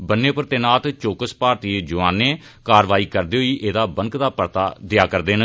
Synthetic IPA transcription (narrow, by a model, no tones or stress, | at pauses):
bənːẽːpəɾt̪eːnaːt̪t͡ʃoːkəspaːɾt̪iːed͡ʒʊʋãːnːeː | kaːɾʋaːiːkəɾd̪eːɦʊiːʔeːd̪aːbəŋkd̪aːpəɾt̪aːd̪ɪjaːkəɾd̪eːn